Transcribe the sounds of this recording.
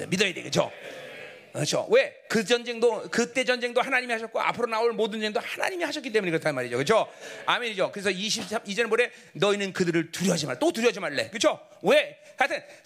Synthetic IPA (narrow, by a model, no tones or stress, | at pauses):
midʌedḛɡɯt͡ɕʰo̰ | kɯt͡ɕʰo̰we̞ | kɯd͡ʑʌnd͡ʑe̞ŋdokɯt͈e̞d͡ʑʌnd͡ʑe̞ŋdohanaɲimihaɕʰʌt̚k͈oa̰pʰɯɾonaoɭmodɯnd͡ʑeŋdohana̰ɲimihaɕʰʌkit͈euɲekɯɾʌtʰanmaɾid͡ʑokɯt͡ɕʰoamenid͡ʑokɯɾe̞sʰʌiɕʰip̚aid͡ʑenboɾe̞ | nʌinɯnkɯdɯɾɯɭtuɾjʌad͡ʑimaɭt͈otuɾjʌd͡ʑimaɭːe̞̰kɯt͡ɕʰo | we̞kɯɾatʰen